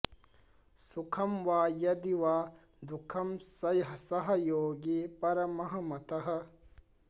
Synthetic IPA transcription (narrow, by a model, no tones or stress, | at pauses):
sukʰɐmwaːjɐd̪iwaː | d̪ukʰɐmsɐjɦɐsɐɦɐjoːɡipɐɾɐmɐɦɐmɐt̪ɐɦɐ